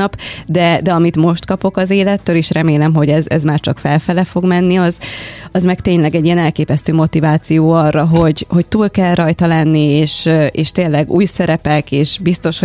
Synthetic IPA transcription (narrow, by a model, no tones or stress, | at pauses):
ɒpd̪ɛd̪ɛɒmit̪mo̞ʃt̪kɒpo̞kɒzeːlɛt̪ːøːliʃrɛmeːlɛmɦo̞ɟɛzɛ̰zmaːrt͡ʃɒkfɛlfɛlɛfo̞ɡmɛnːiɒzɒzmɛkt̪eːɲlɛɡɛɟːijɛnɛlkeːpɛst̪øːmo̞t̪ivaːt̪sijoːɒrːɒɦo̞ɟho̞c̚t̪uːlkɛlrɒjt̪ɒlɛnːieːʃeːʃt̪eːlːɛɡṵːjsɛɾɛpɛkeːʃbist̪o̞ʃo